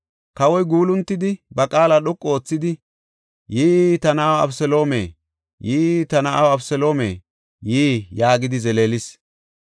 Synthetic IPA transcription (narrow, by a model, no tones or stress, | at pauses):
kɐwɔjɡuːlʊnt̪ːɪd̪ɪbɐkʼaːlaɗɔkʼːɔoːt͡sːɪd̪ɪ | jiːt̪ɐnɐːwɐ̰fsɛlo̞ːmḛː | jiːt̪ɐnɐʔawɐfsɛlo̞ːmḛː | jiːjaːɡɪd̪ɪzɛleːlɪs